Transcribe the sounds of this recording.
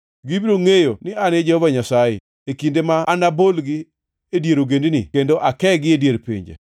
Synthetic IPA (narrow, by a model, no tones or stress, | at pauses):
ɡibɾoŋejonɪaned͡ʒehɔvaɲasajḛ | ekindemaːnabolɡi | edjeɾoɡendnḭkendoʔakɛɡɪedjeɾpḭɲd͡ʒḛ